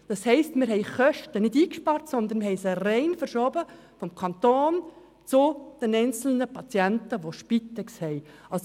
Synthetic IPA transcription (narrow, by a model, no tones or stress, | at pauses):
d̥ɑshɛɪstmɪɾɦɛɪχœʃtənɪdiːkʃpɑːɾtsɔnd̪ənmɦhɛɪsərɛɪnfəɾʃobə | fɔmkʰɑnt̪oːn | t͡sʊd̪̥ɛnɛɪnt͡sl̩nəpɑt͡sjɛntəʋoʃpit̪ːɛkshɛɪɑls